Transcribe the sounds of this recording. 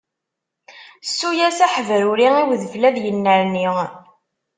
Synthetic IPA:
sːujæsæħəvɾʊɾiiwðəflæðjənːəɾni

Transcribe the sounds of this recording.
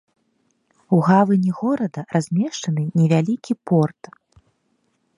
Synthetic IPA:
uɣavɨnʲiɣɔɾɐd̪ɐrʔazʲmʲɛʂt͡ʂɐnɨnʲɛvʲalʲikʲipɔrt̪

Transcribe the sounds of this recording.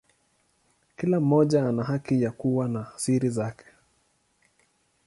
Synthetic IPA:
kilam̩ːɔʄaanaɦakijakuwanasiɾizakɛ̥

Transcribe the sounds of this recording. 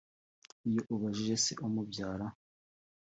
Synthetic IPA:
ijoʔuβaʒiʒe̞sḛʔumubɟaːɾa

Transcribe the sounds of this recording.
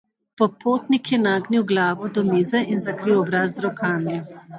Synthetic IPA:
pɔpoːt̪nikjɛnaːɡniwɡlaːʋɔd̪ɔmiːzɛinzɐkɾiwɔbɾaːzzɾɔkʰaːmi

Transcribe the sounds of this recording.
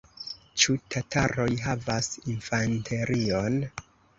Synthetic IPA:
t͡ʃutʰatʰaɾo̞jɦavasinfantʰe̞ɾion

